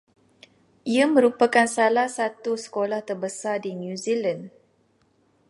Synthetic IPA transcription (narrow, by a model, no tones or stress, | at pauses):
ʔiamə̃ɾupakansalahsat̪usə̥kolaht̪ərbəsardinjuzilan